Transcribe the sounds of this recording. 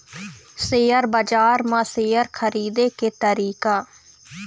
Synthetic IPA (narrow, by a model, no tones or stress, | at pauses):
seːəɾbəd͡ʒaːɾmãːseːəɾkʰəɾiːd̪eːkeːt̪əɾiːkaː